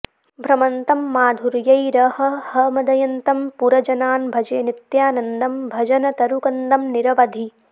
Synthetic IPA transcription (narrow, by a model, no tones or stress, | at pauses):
bʱɾɐmɐnt̪ɐmːaːd̪ʱuɾjɐjɾɐɦɐ̆hɐmɐd̪ɐjɐnt̪ɐmpuɾɐd͡ʒɐnaːnbʱɐd͡ʒɐjɐnit̪jaːnɐnd̪ɐmbʱɐd͡ʒɐnɐt̪ɐɾukɐnd̪ɐmniɾɐʋɐd̪ʱi